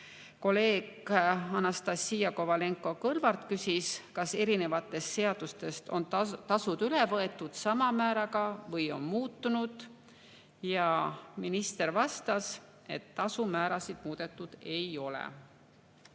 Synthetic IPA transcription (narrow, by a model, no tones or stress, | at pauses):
ko̞le̞ːɡɑnɑst̪ɑsːiːjɑko̞vɑle̞ŋkˑo̞kɤlvɑrt̪kysʲiskɑse̞ɾine̞vɑt̪ːˑe̞st̪se̞ɑd̪̥ust̪e̞st̪o̞nt̪ɑsud̪̥ylevɤe̞t̪ːˑud̪̥sɑmɑmæːɾɑɡ̥ɑvɤjo̞nmuːt̪ːunud̪̥ | jɑminist̪e̞ɾvɑst̪ɑs | e̞t̪ːɑsumæːɾɑsid̪̥muːd̪̥e̞t̪ˑːud̪̥e̞jo̞lɛ̰